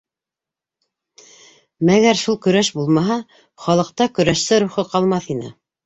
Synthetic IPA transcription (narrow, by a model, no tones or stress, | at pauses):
mæɣæɾʃulˠkɵ̆ɾæʃbulˠmɑɦɑ | χɑlˠɤ̆q̚t̪ɑkɵ̆ɾæʃsɘɾuχɤqɑlˠmɑθinɘ̰